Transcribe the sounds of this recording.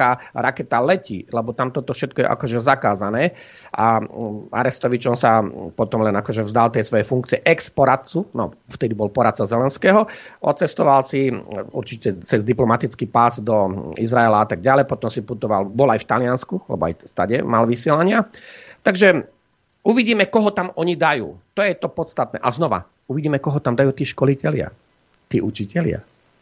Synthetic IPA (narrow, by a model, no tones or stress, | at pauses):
aɾakɛt̪alɛcilɛbɔt̪amt̪ɔt̪ɔfʃɛt̪̚kɔjɛ̰ʔa̰kɔʒɛzakaːzanɛː | ʔaa̰ɾɛst̪ɔʋit͡ʃɔnsapɔt̪ɔmlɛnakɔʒɛvzd̪alt̪ɪɛsʋɔjɛfuŋkt͡siɛʔɛkspɔɾat̪t͡sunɔft̪ɛd̪ibɔlpɔɾat̪̚t͡sazɛlɛnskɛːɦɔʔɔ̰tt͡sɛst̪ɔʋalsiṵɾt͡ʃicɛt͡sɛzd̪iplɔmat̪it͡skipazd̪ɔizɾaɛlaat̪aɡ̚ɟalɛjpɔt̪ɔmsiput̪ɔʋalbɔlajft̪alɪanskualɛ̰bɔ̰a̰jst̪aɟɛmalʋisɪɛlaɲɪat̪aɡʒɛ | uʋiɟiːmɛkɔɦɔt̪amɔɲid̪ajṵːt̪ɔjɛt̪ɔpɔt̪st̪at̪̚nɛ̰ːʔaznɔʋa̰ | uʋiɟiːmɛkɔɦɔt̪amd̪ajuːt̪iːʃkɔlicɛlɪa̰ | t̪iːʔut͡ʃicɛlɪa̰